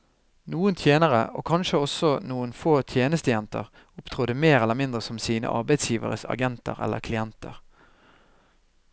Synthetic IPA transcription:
nuːənt̪ʰjeːnəʁəʔo̰ːkʰɑnʃəɔsɔnuːənfoːt̪ʰjeːnəst̪əjɛnt̪ə̰ʁ | ʊpt̪ʰʁuːd̪əmeːʁɛlːəʁmɪnd̪ʁəsɔmsiːnə̰ʔɑ̰ʁbæɪt̪sjiːʋə̰ʁəsɑ̰ɡɛnt̪ə̰ʁɛ̰lʔə̰kʰlɪɛnt̪ə̰ʁ

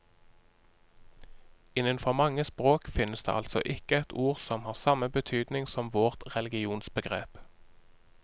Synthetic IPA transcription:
ɪnənfɔʁmɑŋəspʁoːkfɪnəsd̪ḛːʔɑlt̪sɔ̰ʔɪkəɛt̪ʰuːʁsɔmhɑːʁsɑməbət̪ʰyːd̪nɪŋsɔmʋoʁt̪ʁɛlɪɡɪuːnsbəɡʁḛːp

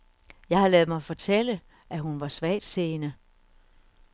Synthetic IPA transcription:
jɑ̈ɪhɑ̈lɛːðˠmɑ̈ɪfɒ̽t͡sʰelə | ʔæɦunʋɑ̈sʋɛ̰ːd̥se̝ːnə

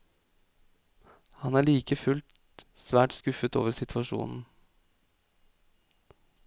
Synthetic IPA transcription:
hɑnæːɭiːkəfʉlt̪ | sʋæːʈskʉfət̪o̰ːʋəɾsɪt̪ʰʋɑʃṵːnn̩

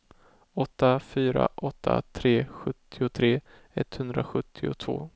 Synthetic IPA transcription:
ɔt̪ːafyːɾa̰ʔɔt̪ʰːat̪ʰɾeːɧɵt̪ʰːɪʊt̪ʰɾeː | ɛt̪ːhɵnd̪ɾaɧɵt̪ʰːɪʊt̪ʰv̥o̰ː

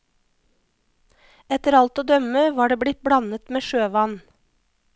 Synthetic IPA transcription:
ɛt̪əɾɑlt̪oːd̪œməʋɑːɖeːbɽɪt̪̚bɽɑnət̪meːʃøːʋɑn

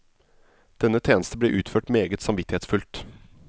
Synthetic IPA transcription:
d̪̥ɛnːət̪ʰeːnəst̪əbleːʔʉːt̪føːʈmeːɡət̪sɑmʋɪt̪ɪheːtsfʉlt̪

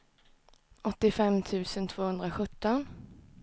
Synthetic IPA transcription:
ɔt̪ːɪfɛmt̪ʰʉ̟ːsənt̪ʰv̥oːhɵnd̪ɾaɧɵt̪ːɔn

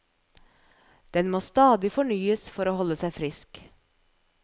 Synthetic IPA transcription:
d̪̥ɛnmoːst̪ɑːd̪ɪfɔɳyːəsfɔɾoːhɔləsæɪfɾɪsk

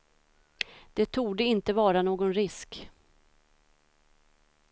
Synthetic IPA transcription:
d̪̥ɛt̪ʰuːd̪əɪnt̪əvɑːɾanoːɡɔnɾɪsk

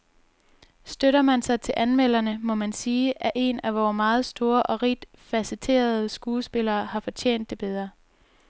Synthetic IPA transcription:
sd̥øɾɐmænsɑ̈ɪt͡sʰe̝lʔænmel̰ɐnəmɒ̽mænsiːʔæʔe̝næʋɒːmɑ̈ːð̞̩ˠsd̥o̝ːɐʔɒ̽ʁid̥ | fæsit͡sʰe̝̰ːɐð̞ˠəsɡ̥uːsb̥e̝lɐːhɑ̈fɒ̽t͡ɕʰḛːn̰d̥ːe̝b̥eð̞ˠʁɐ

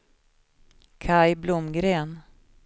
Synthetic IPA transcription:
kʰajblʊmɡɾeːn

